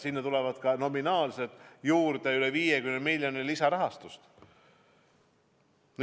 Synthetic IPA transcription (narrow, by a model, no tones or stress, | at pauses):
sinːet̪ulɛvɑd̪̥kɑno̞minɑːlset̪ˑjuːɾd̪eyleviːjekymnemilʲjonilisɑɾɑɦɑst̪ust̪ | n